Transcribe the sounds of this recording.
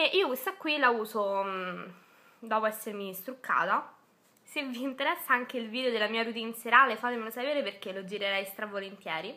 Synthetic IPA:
eʔiːokest̪akːwilauːzo | d̪ɔːpoɛsːermist̪ɾukʰːa̰ːt̪a | sevːiːnt̪eɾɛsːaaŋkeilviːd̪eod̪elːamiːaɾut̪̬iːnseɾaːlefaːt̪emelosapeːɾeperk̟elod͡ʒiɾeɾɛjst̪ɾavolent̪jɛːɾi

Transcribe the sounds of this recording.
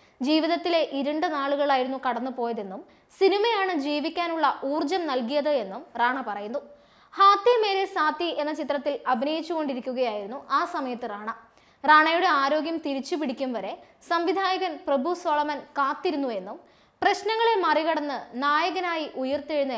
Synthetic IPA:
d͡ʑiːʋiðɐt̪ːile̞ʔiɾɐɳɖɨnaːɭuɣɐɭaːjiɾunːukɐɽɐnːɨpo̞ːjɐðe̞nːum | sinimɐjaːɳɨd͡ʑiːʋikʲːaːnuɭːɐʔuːrd͡ʑɐmnɐlkijɐðɨe̞nːumraːɳɐpɐrɐjunːu | haːt̪ːime̞ːlesaːt̪ːie̞nːɐt͡ɕit̪ːrɐt̪ːilɐbʱinejit͡ɕːuɣo̞ɳɖiɾikʲːuɣɐjaːjiɾunːuʔaːsɐmɐjɐt̪ːɨraːɳɐ | raːɳɐjuɽe̞aːɾo̞ːɡjɐmt̪iɾit͡ɕːupiɽikʲːumʋɐɾe̞ | sɐmʋid̪ʱaːjɐɣɐnprɐbʱuso̞ːɭɐmɐnkaːt̪ːiɾunːue̞nːum | prɐɕnɐŋːɐɭemɐriɣɐɽɐnːɨnaːjɐɣɐnaːjiʔujɐrt̪eɻunːɐ

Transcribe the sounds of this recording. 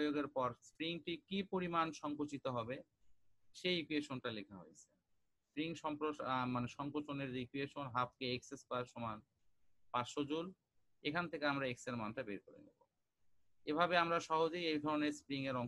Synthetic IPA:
joɡeɾpɔɾspɾiŋʈikipoɾimanʃɔŋkot͡ɕit̪oɦɔbe | ʃejikueʃonʈalekʰaɦo̰jet͡ɕʰe̥ | spɾiŋʃɔmpɾomaneʃɔŋkot͡ɕoneɾːikueʃonɦap̚keeksespaɾʃɔman | paʃod͡ʑul | ekʰant̪ʰekeamɾaekseɾmanʈabeɾkoɾḛnḭbo̰ | ebʱabeamɾaʃɔɦod͡ʑejejd̪ʱɔɾoneɾspɾiŋeɾɔŋ

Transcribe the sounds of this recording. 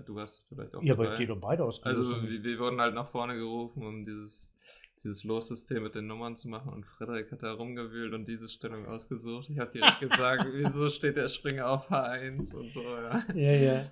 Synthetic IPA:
d̥uːvaɐstə̥sfɪla̰ɪçtaʊjaːbaɪaeːnʊnbaɪɾəaʊsɡ̥ʔalzoviviːɐvʊɐdn̩haltnaːχfɔɐnəɡəʁuːfn̩ʊmdiːzəs | d̥iːzəsloːsz̥ʏstʰeːmːɪt̚d̥eːnːʊmɐnt͡sumaχn̩ʊ̰ntfʁ̥ɛdəɪkhat̚d̥aːʁʊmɡəvyːltʊnt̚d̥iːzəʃtɛlʊŋʔa̰ʊsɡ̥əzuːxtɪçhaːbəd̥iːʁɛk̚t̚ɡ̥əzaːk̚tv̥iːzoːʃteːt̚d̥eːɐʃpʁ̥ɪŋɐaʊfhaːɐʔaɪnsʊ̰ntz̥oːjaːjaja

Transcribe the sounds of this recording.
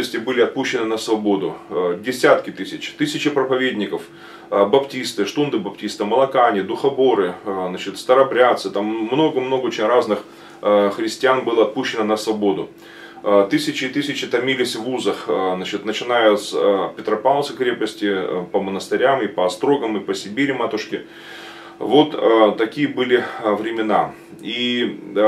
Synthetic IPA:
əsʲtʲɪbɨlʲɪɐt̪̚puɕːɪnɨnəsvɐbod̪ʊ̰dʲɪsʲat̪kʲɪt̪ɨsʲɪt͡ɕt̪ɨsʲɪt͡ɕɪpɾəpɐvʲedʲnʲɪkəf | bɐptʲist̪ɨʂt̪und̪ɨbɐptʲist̪ɨməlˠɐkanʲɪd̪ʊxɐbo̞ɾɨznat͡ɕɪt̪st̪əɾɐbɾʲat̪sɨt̪amːno̞ɡəmno̞ɡəot͡ɕɪnʲraznɨx | xɾʲɪsʲtʲɪanbɨlˠəɐt̪̚puɕːɪnənəsvɐbo̞d̪ʊ | t̪ɨsʲɪt͡ɕɪt̪ɨsʲɪt͡ɕɪt̪ɐmʲilʲɪsʲvuzəxznat͡ɕɪt̪nət͡ɕɪnajʊspʲɪt̪ɾɐpalˠsʲɨkɾʲe̞pəsʲtʲɪpəmənəst̪ɪɾʲamipəɐst̪ɾo̞ɡəmipəsʲɪbʲiɾʲɪmat̪ʊʂkʲɪ | vo̞t̪t̪ɐkʲijəbɨlʲɪvɾʲɪmʲɪna | i

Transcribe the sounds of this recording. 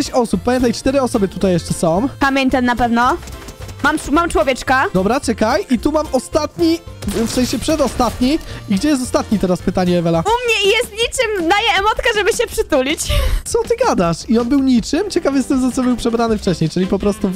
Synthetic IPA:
ɛt͡ɕɔsupːamʲjɛnt̪ajt͡ʂt̪ɛɾɛɔsɔbɘt̪ut̪ajːɛʂt͡ʂɛsɔ̃w̃kamʲjeɲʲt̪ɛnːapɛvnɔ | mammamt͡ʂwɔvʲjɛt͡ʂkad̪ɔbɾat͡ʂɛkajʔit̪umamɔst̪at̪ɲi | fsɛ̃j̃ɕɛpʂɛd̪ɔst̪at̪ɲiiɡd͡ʑɛjɛs̬t̪ɔst̪at̪ɲit̪ɛɾaspɘt̪aɲɛɛvɛlaumɲɛijɛst̪ɲit͡ʂɘmd̪ajɛɛmɔt̪ʲkaʐɛbɘɕɛpʂɘt̪ulʲit͡ɕt̪sɔt̪ɘɡad̪aʂiɔnbɘwɲit͡ʂɘmt͡ɕɛkavʲist̪ɛmzat̪sɔbɘwpʂɛbɾanɘft͡ʂɛɕɲejt͡ʂɘlʲipɔpɾɔst̪u

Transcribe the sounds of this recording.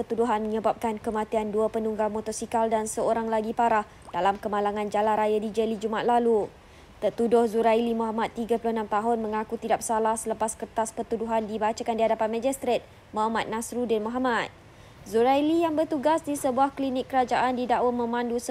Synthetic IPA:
pərt̪uduɦanməɲəbap̚kankəmãt̪ianduapənuŋɡamot̪ɔsikaldansəoɾaŋlaɡipaɾah | d̥alamkəmalaŋãnd͡ʒalaɾajadid͡ʒəlid͡ʒumaʔ̪̚lalu | t̪ərt̪udʊhzuɾailimuɦamat̪ːiɡapulʊhnamt̪aɦʊnmə̃ŋakut̪idap̚salahsələpaskərt̪aspərt̪uduɦandibat͡ʃakandiɦadapanmãd͡ʒist̪ɾet̪̚ | mamat̪̚nãsɾudɪnmoɦamat̪̚ | zuɾajlijaŋbərt̪uɡasdisəbuahklinɪkːəɾad͡ʒaʔandidaʔwəmə̃mãndusə

